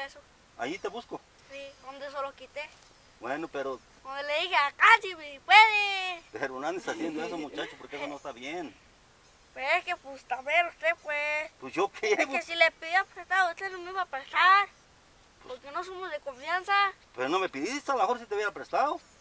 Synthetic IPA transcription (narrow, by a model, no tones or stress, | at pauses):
eso | a̰jit̪eβusko | siond̪es̬olokit̪e | bwenopeɾo | ond̪eleðixeakat̪iβipweðepeɾonoand̪esasjend̪oesomut͡ʃat͡ʃopoɾkeesonost̪aβjen | pweseskepust̪aβeɾust̪epwesposjokeeβosilepiðiapɾest̪aðot͡ɬenomiβapet͡ɬaɾ | poɾkenos̬omozðekoɱfjansapeɾonomepiðist̪alahoɾs̬it̪euβjeɾapɾest̪aðo